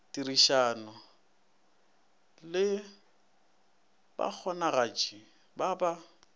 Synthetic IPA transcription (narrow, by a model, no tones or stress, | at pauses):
tiriʃaːnʊ | lɪ | ba̰k͡xʰɔnaɣat͡ʃʼi | baba